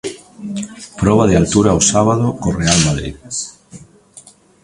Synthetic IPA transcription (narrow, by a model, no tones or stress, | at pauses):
pɾoβ̞að̞ealt̪uɾaosaβ̞að̞okorealmaðɾḭð